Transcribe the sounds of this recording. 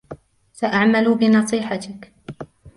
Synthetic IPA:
saʔaʕmalʊbɪnɑsˤiːħɑt̪ɪk

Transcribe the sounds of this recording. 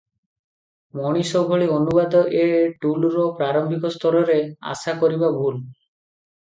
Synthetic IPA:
mɔɽ̃isobʱoɭionubad̪ɔʔeʈulɾɔpɾaɾɔmbʱikɔst̪ɔɾɔɾea̰sakɔɾibabʱul

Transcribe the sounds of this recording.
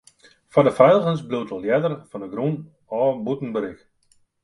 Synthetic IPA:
fɔdəfœjlˠɣənsbluwtʰəljɛdərfɔndəɡɾun | ɔːbutn̩bəɾɪk

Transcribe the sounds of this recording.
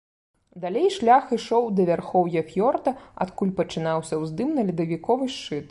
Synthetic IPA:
d̪alʲejʂlʲaxiʂɔwd̪ɐvʲarxɔwjɐfʲjɔrt̪ɐa̰t̪kulʲpɐt͡ʂɨnawsʲɐwzd̪ɨmnɐlʲid̪ɐvʲikɔvɨʂt͡ʂɨt̪

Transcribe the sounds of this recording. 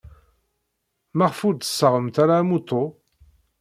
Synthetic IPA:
maʁfud̪ə̥sːəʁəmt̪aɾaːmut̪ˤːo

